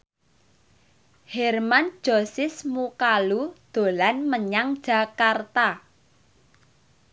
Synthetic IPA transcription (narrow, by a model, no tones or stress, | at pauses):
hɛrman̥d͡ʒ̥osɪsmukalud̪̥o̤lanməɲaŋd̥ʒ̥a̤kart̪a